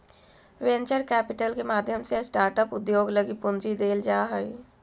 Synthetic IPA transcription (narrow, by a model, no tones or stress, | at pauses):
ʋẽnt͡ʃəɾkɛːpɪʈəlkemaːd̪ʱjəmsesʈaːɾʈəpʊd̪joːɡləɡipʊnd͡ʒid̪eːld͡ʒaːɦəi